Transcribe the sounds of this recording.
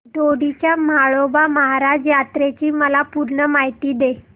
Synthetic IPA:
d̪oɽit͡ɕjamaɭobaməɦaɾad͡ʑjat̪ɾet͡ɕiːməlapuɾɳəmaɦijt̪iːd̪e

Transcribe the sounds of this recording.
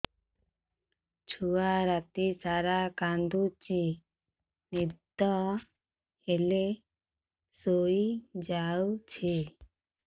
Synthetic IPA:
t͡ʃʰuaɾat̪isaɾakand̪ut͡ʃi | nid̪ɔ | ele | soid͡ʒawt͡ʃʰi

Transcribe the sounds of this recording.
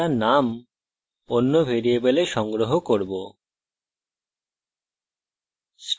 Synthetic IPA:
anam | onːobʱeɾiebeleʃɔŋɡɾoɦokoɾbo | s

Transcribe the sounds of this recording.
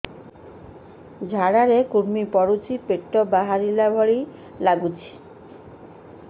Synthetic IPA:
d͡ʑʱaɽaɾekuɾmipɔɽut͡ɕʰipeʈːobaɦaɾilabʱɔɽi | laɡut͡ɕʰi̥

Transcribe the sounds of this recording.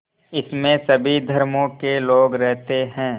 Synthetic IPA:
ɪsmẽsɐbʱid̪ʱɐɾmõkeloːɡɾɛɦt̪eɦɛ̃ː

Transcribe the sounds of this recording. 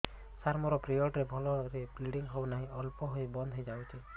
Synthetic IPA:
saɾmɔɾɔpɾijɔʈɾebʱɔlɔɾepliɽiŋɦɔwnaɦĩʔɔlpɔɦojbɔnd̪ʱɦɔjd͡ʒabt͡ʃʰi

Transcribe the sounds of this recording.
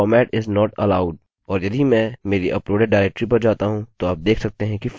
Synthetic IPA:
ɔːmɛːʈɪznɔːʈɐ̰laːʊɖ | ɔːɾjɐd̪ʱimɛ̃meːɾiʔɐpɾoːɖeɖɖaːɪɾɛk̚ʈɾipɐɾd͡ʒaːt̪aɦũt̪oaːp̚d̪eːkʰsɐk̚t̪eɦɛ̃kif

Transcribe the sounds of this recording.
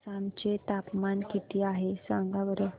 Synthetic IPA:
samt͡ɕet̪apmankit̪iːaɦesãŋɡaʋəɾə

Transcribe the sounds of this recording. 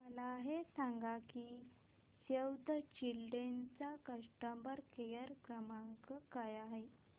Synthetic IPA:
məlaːɦesaŋɡaki | sewd̪ʱət͡ɕilɖent͡sakəʂʈəmbəɾkejəɾkɾəmaŋkəkajaɦe

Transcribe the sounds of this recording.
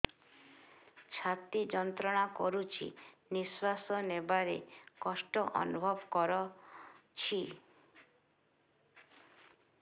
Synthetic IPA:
t͡ʃʰat̪id͡ʒɔnt̪ɾɔɽ̃akɔɾut͡ʃʰḭniswasɔnebaɾekɔsʈɔʔɔ̰nubʱɔbkɔɾɔ | t͡ʃʰi

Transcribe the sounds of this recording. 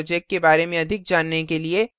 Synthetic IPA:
od͡ʒɛk̚ʈ̚kebaːɾemẽɐd̪ʱɪk̚d͡ʒaːnːekelie

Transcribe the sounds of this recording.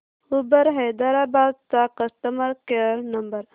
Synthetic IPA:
ubəɾɦejd̪aɾabaːd̪̚t̪aqəst̪əmɐɾkeɾnɐmbəɾ

